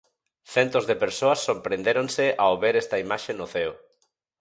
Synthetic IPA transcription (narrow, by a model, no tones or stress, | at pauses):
θɛnt̪ozðepeɾsoɐsːoɾpɾend̪eɾonsɪʔaoβeɾɛst̪ɐimaʃenʊθeo